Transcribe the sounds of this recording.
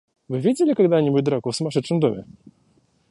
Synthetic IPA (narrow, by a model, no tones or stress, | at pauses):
vɘvʲed͡ʑɛlʲikaɡd̪aɲʲimujd̪ɾɔkɔsmaʂɘt͡ʂnɨmd̪umʲɛ̰